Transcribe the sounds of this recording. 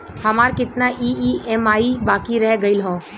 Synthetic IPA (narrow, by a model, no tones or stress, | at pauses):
həmaːɾkɪt̪naʔiiɛmaːibaːkiɾɛɦɡəilɦõ